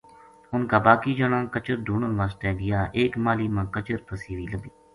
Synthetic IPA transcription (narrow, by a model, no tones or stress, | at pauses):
ʊnkaːbaːkiːd͡ʒəɽ̃ãːkət͡ʃəɾɖʱuːɳənʋaːst̪ɛːɡɪjaːʔeːkmaːliːmãːkət͡ʃəɾpʰəsiːʋiːləbiː